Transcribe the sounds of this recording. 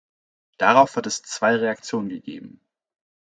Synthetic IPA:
d̥aʁaʊfv̥aɐtɛst͡sv̥aɪʁeakt͡sjoːnənɡəɡḛːbm̩

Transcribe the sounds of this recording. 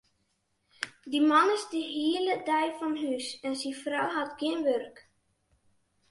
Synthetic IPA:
dimɑnəsdiiələdɛjfɔnɦysɛnsifrɔwɦatɡɪnʋørk

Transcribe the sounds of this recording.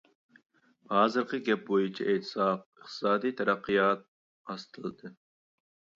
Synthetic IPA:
hɑːzɨɾqʰəɡʲɛp̚bojut͡ʃʰɛ̰et̪ʰɨ̥sɑq̚əχt̪ʰɨ̥sɑːd̪ijt̪ʰɛɾæqːijɑt̪̚ | ɑst̪ʰɨlˠɨd̪ɨ

